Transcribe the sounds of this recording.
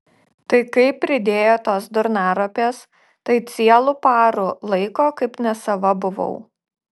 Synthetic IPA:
t̪ɐɪkɐɪpʲːɾʲɪd̪ʲeːjoːt̪oːsd̪ʊɾnɑːɾopʲeːs | t̪ɐɪt̪sʲiɛlˠʊpɑːɾʊlˠɐɪkoːkɐɪpnʲɛsɐʋɐbʊʋɐ̰ʊ

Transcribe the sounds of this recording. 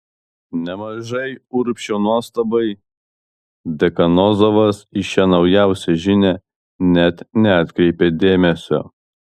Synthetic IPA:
nʲɛmɐʒɐɪʊɾpʲʃʲoːnuɔst̪ɐbɐɪ | d̪ʲɛkɐnɔzoʋɐsɪʃʲɛnɒʊjæˑʊsʲɛʒʲɪnʲe | nʲɛt̪nʲɛɐt̪ʲkɾʲɛɪpʲed̪ʲeːmʲɛsʲo̰ː

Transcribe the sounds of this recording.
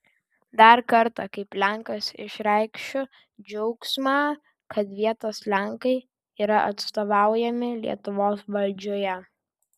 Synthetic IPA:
d̪ɐɾkɐɾt̪ɐkɐɪplʲæŋˑkɐsɪ̰ʃɾʲɛɪkʃʲʊ | d͡ʒʲɛʊksmɑː | kɐt̪ʋʲiɛt̪oslʲæŋkɐɪ | iːɾɐʔɐ̰t̪st̪oːʋɑˑʊjɛmʲɪlʲḭɛt̪ʊʋoːsʋɐlʲd͡ʒʲoːjɛ

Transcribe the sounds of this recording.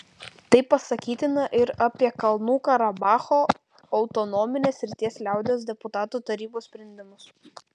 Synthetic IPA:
t̪ɐɪpːɐsɐkʲiːt̪ʲɪnɐʔɪɾɐpʲiɛkɐlˠnuːkɐɾɐbɑːxoː | ɐʊt̪ɔnɔːmʲɪnʲeːsːʲɾʲɪt̪ʲiɛslʲæˑʊd̪ʲeoːs̬d̪ʲɛpʊt̪ɑːt̪uːt̪ɐɾʲiːboːssʲpʲɾʲɛnʲd̪ʲɪmʊs

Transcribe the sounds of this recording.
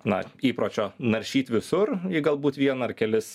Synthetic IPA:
nɐ̰iːpɾoːt͡ʃʲoːnɐɾʲʃʲiːt̪ʲʋʲɪsʊrɪɡɐlˠbuːt̪ʋʲiɛnɐɐrkʲɛlʲɪs

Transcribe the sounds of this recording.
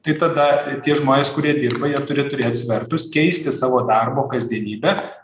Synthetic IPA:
t̪ɐɪt̪ɐd̪ɐt̪ʲiɛʒmoːnʲeːskʊɾʲiɛd̪ʲiːrbɐjiɛt̪ʊɾʲɪt̪ʊɾʲeːt̪sʲʋʲɛrt̪ʊskʲɛɪsʲt̪ʲɪsɑːʋoːd̪ɑrboːkɐzʲd̪ʲiɛnʲiːbʲɛ

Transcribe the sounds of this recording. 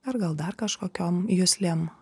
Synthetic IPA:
ɐɾɡɐlˠd̪ɐɾkɐʃkoːkʲoːmjʊsʲlʲeːm

